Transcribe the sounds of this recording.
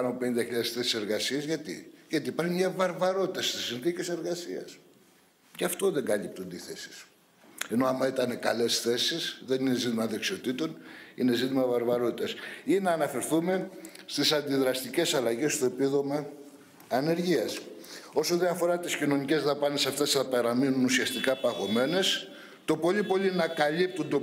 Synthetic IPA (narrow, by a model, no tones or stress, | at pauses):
pɐnope̞nind̪ɐçiʎɐðesθe̞si̥se̞ɾɣɐsiɐzʝɐt̪ḭʝɐt̪iːpɐɾçumɲɐvɐɾvɐɾo̞t̪it̪ɐst̪isinθice̞se̞ɾɣɐsiɐ̰s | ceɐft̪o̞ðe̞ŋɡɐlip̚t̪und̪eiθe̞si̥s | e̞no̞ɐmɐit̪ɐne̞kɐle̞sθe̞sisðe̞nine̞zit̪imɐðe̞ksio̞t̪it̪o̞nḭne̞zit̪imɐvɐɾvɐɾo̞t̪it̪ɐsinɐːnɐfe̞ɾθume̞st̪isɐnd̪iðɾɐst̪ice̞sɐlɐʝest̪o̞epiðo̞mɐː | ne̞ɾʝiɐso̞so̞nd̪iɐfo̞ɾɐt̪iscino̞nice̞zðɐpɐne̞sɐft̪e̞sθɐpɐɾɐminunusiɐst̪ikɐpɐɣo̞me̞ne̞s | t̪o̞po̞ʎipo̞linɐkɐlip̚t̪und̪o̞